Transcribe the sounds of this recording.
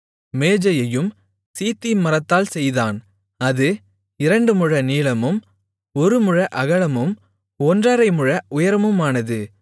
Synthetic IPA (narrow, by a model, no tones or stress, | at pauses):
meːd͡ʒɐjɐjɯm | siːt̪ːimɐɾɐt̪ːaːlsɛjðaːn | ɐðɯ | ɪɾɐɳɖɯmɯɻɐniːlɐmɯm | ɔɾɯmɯɻɐʔɐɣɐɭɐmɯm | ɔndraːɾɐɪmɯɻɐʊjɐɾɐmɯmaːnɐðɯ